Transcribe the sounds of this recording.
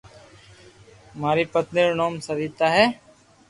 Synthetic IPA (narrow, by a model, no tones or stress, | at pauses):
maːɾiːpət̪neːɾnoːmsəɾiːt̪aːɦɛː